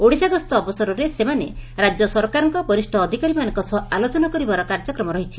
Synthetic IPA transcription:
oɽisaɡɔst̪ɔːbɔsɔɾɔɾesemaneɾad͡ʒjɔsɔɾkaɾɔŋkɔbɔɾisʈʰɔːd̪ʱikaɾimanɔŋkɔsɔalot͡ʃɔnakɔɾibaɾɔkaɾd͡ʒɔkɾɔmɔɾɔɦit͡ʃʰi

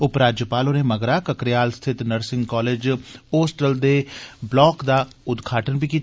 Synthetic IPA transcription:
ʊpɾaːd͡ʒjəpaːloneməɡɾakəkɾɪjaːlst̪ʰɪt̪nəɾsɪ̃ŋɡkɔːleːd͡ʒoːsʈəld̪eblɔːkd̪aʊd̪ɡʱaːʈənbʱikiːt̪

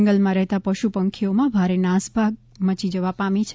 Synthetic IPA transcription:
ŋɡəlmãɾɛɦt̪apəʃupəŋkʰiomãbʱaɾenãsbʱaɡ̚ | mət͡ʃid͡ʒəʋapamit͡ʃʰ

